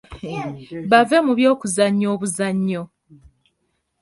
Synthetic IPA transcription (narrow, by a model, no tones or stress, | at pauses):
βave̞muβjo̞ːkuzaɲːo̞ːβuzaɲːo